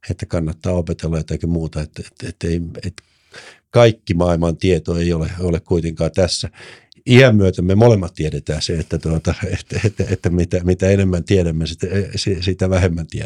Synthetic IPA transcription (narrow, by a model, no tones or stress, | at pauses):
et̪ːækɑnːɑt̪ːɑːopet̪elːɑjot̪ɑkimuːt̪ɑet̪ːet̪et̪ːeiet̪ | kɑikːimɑilmɑnt̪iet̪oeioleolekkuit̪eŋkɑːt̪æsːæ | ihæmmyøt̪æmːemolemːɑt̪t̪ieɾet̪æːseet̪ːæt̪uot̪ɑet̪ːet̪ːæet̪ːæmit̪æmit̪æenemːænt̪ieɾæmːesit̪æsisit̪æʋæhemːænt̪ie